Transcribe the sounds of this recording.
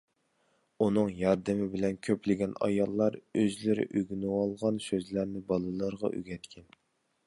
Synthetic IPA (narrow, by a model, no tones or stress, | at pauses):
unɨŋjɑɾd̪ɪmɪbɪlɛnkʲʰøplɪɡʲɛnɑ̰jɑlˠːɑɾøzlɪɾɪ̰ʔyɡʲnɨwɑlˠʁɑnsøzlæɾnɪbɑlˠɨlˠəɾʁɑ̰ʔy̰ɡʲɛt̪kʲʰɛn